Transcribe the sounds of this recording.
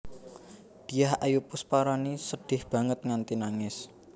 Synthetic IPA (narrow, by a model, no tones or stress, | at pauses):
d̪̥i̤jahʔajupʊspaɾanisəɖ̥ɪ̤hb̥ä̤ŋət̪̚ŋant̪inaŋɪs